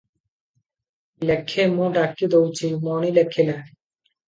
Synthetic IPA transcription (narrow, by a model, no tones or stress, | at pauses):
lɛkʰːemõɖakːid̪owt͡ɕʰimɔnilɛkʰːela